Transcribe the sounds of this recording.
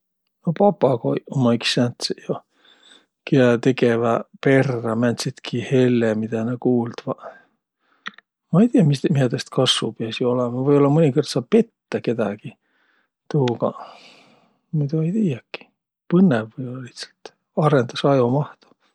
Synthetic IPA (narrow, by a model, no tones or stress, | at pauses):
nopɑpːɑko̰iomːɑiksænt̪sjo | kiæt̪ekevæpe̞rːɑmænʲt̪sit̪kʰihelːemit̪ænekuːld̪̥ʋɑ | mɑejt̪iːɑmismiæt̪est̪kʰɑsʋupeæsjoolemɑvɤjolːɑmonʲikord̪̥sɑpe̞t̪ːæke̞d̪æ̰ɡ̥i | t̪uːkɑ | mit̪ueit̪iːækːi̥ | pɨnːevːəjolːɑlit̪sɑ̥lt̪ | ɑrend̪ɑsɑjomɑht̪o̥